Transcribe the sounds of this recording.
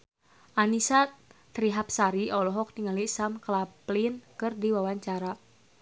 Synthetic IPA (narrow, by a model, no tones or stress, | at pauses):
ʔanisat̪ɾiɦap̚saɾiɔlɔɦɔk̚niŋalisamklaplinkɨrdiwawaɲt͡ʃaɾa